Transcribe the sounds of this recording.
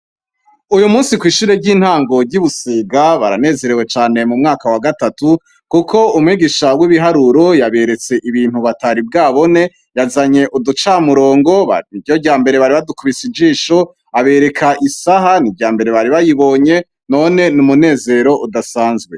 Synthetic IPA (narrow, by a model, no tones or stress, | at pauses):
ujumuːsikwiːʃiɾeɟiːn̥haːŋɡo̞ɾɟiβusiːɡaβaɾa̰ne̞ːze̞ɾewe̞t͡ʃaːne̞mumŋaːkawaɡatatu | kukʰo̞umŋwiːɡiʃawiβiɦaɾuɾo̞jaβe̞ɾe̞t͡se̞ʔiβiːn̥uβataɾib̚ɡaːβo̞ne̞ | jazaɲe̞ʔudut͡ʃaːmuɾo̞ːŋɡo̞βa̰nijoɟaːmbe̞ɾe̞βaɾiβadukuβisid͡ʒiːʃo̞ | aβe̞ɾe̞kʰaʔisaɦanibɟaːmbe̞ɾe̞βaɾiβajiβo̞ːɲe̞ | no̞ne̞numune̞ːze̞ɾo̞ʔudasaːnzɡwe